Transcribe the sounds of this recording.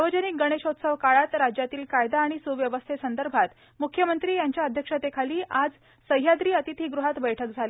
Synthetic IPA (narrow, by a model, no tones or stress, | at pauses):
səʋəd͡ʑənik̚ɡəɽ̃eɕot̪səʋkaɭat̪ɾad͡ʑjat̪iːlkajd̪aːɽ̃isuʋjəʋəst̪ʰesənd̪əɾbʱat̪ | mukʰjəmənt̪ɾiːjaɲt͡ɕjaəd̪ʱjəkʂət̪ekʰaliːʔad͡z | səɦjad̪ɾiːət̪it̪ʰiːɡɾuɦat̪bəjʈʰək̚d͡zʱali